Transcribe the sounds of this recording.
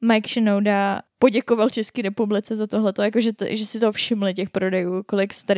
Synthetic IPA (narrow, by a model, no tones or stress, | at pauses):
majkʃɪnowdapo̞ɟɛkovalt͡ʃɛskiːɾɛpublɪt͡sɛzat̪oɦlɛt̪ojakoʒɛt̪ʒɛsɪt̪ofʃɪmlɪc̬ɛxpɾo̞dɛjuːko̞lɪkst̪aɾɪ